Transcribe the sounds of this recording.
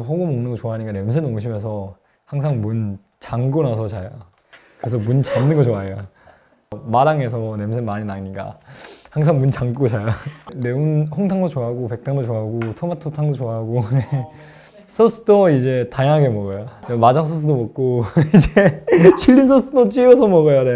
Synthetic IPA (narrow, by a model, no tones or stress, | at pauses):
ɸoɡɯmʌŋnɯnŋɡʌt͡ɕoaɦaɲik͈ane̞ms̬ʰenoŋɕʰimjʌnsʰʌ | haŋsʰaŋmun | t͡ɕaŋɡonas̬ʰʌt͡ɕajo | kɯesʰʌmunt͡ɕamnɯnɡʌt͡ɕoaeo | ʌmaɾaŋe̞s̬ʰʌne̞msʰenmaɲinaɲik͈a̰haŋs̬ʰaŋmunt͡ɕaŋɡ͈ot͡ɕajone̞unɸʌŋtʰaŋdot͡ɕoaaɡope̞k̚t͈aŋdot͡ɕoaaɡotʰomatʰotʰaŋdot͡ɕoaɦaɡone̞ | sʰʌs͈ʰɯdʌid͡ʑe̞taɲaŋɦaɡe̞mʌɡʌjonemad͡ʑaŋs̬ʰʌs̬͈ʰɯdomʌk̚k͈oid͡ʑet͡ɕʰiʎːins̬ʰʌs͈ʰɯdot͡ɕ͈iʌsʰʌmʌɡʌjone̞